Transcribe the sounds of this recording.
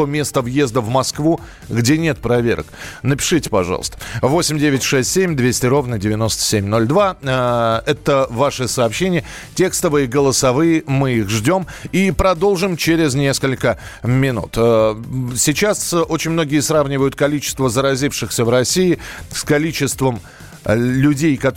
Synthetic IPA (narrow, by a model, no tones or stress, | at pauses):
omʲe̞st̪əvjezd̪əvmɐskvu | ɡdʲenʲet̪̚pɾɐvʲḛɾə̰k̚nəpʲɪ̥ʂɨtʲɪ̥pɐ̰ʐɑ̰l̰ˠst̪ə̥vo̞sʲɪmʲdʲevʲɪtʲʂɛsʲtʲsʲemʲd̪vʲesʲtʲɪɾo̞vnədʲɪvʲɪno̞st̪ə̥sʲemʲno̞lʲd̪va | ɛt̪əvaʂɨsɐːpɕːenʲɪjə | tʲe̞kst̪əvɨjɪɡəlˠəsɐvɨjɪmɨixʐdʲo̞mipɾɐd̪o̞lˠʐɨmt͡ɕeɾʲɪzʲnʲe̞skəlʲkə | mʲɪnṵt̪əsʲit͡ɕaso̞t͡ɕɪnʲmno̞ɡʲɪjəsɾavnʲɪvəjʊt̪̚kɐlʲit͡ɕɪ̥st̪vəzəɾɐzʲifʂɨxsʲəvrɐsʲiɪskɐlʲit͡ɕɪst̪vəm | lʲʉdʲejkɐt̪